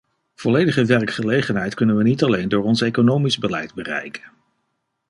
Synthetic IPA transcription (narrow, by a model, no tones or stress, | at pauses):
v̥ɔlejdəχəʋɛɹkχəlejχənɦɛjtkɵnənʋənitɑlejndʊːɹɔnsejkonowmizbəlɛjdbərɛ̰jkə̥n